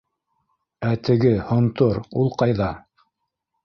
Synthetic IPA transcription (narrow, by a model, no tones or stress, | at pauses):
æt̪ɘ̆ɡɘhŏnt̪oɾulˠqɑjðɑ